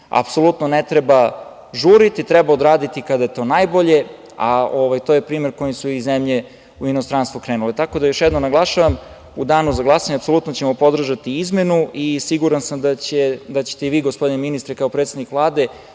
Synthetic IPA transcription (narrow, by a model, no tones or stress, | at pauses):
a̰pso̞lut̪nonet̪ɾe̞ba | ʒuɾit̪it̪ɾɛbaod̪ɾaːd̪it̪ikad̪ajet̪o̞ːnajbo̞ʎe̞ | aoʋajt̪ojepɾiːme̞ɾko̞jimsuizemʎe̞ | uinost̪ɾanst̪vukɾeːnulet̪ako̞d̪ajoʃjɛd̪nomnaɡlˠaʃaʋam | ud̪aːnuzaɡlˠasaɲapso̞lut̪not͡ɕemopo̞d̪r̩ʒat̪iizme̞nuʔisiɡuɾansamd̪aed̪at͡ɕe̥t̪eʋiːɡospo̞d̪ineminist̪ɾekaopɾet̪sed̪nikʋlˠaːd̪e̞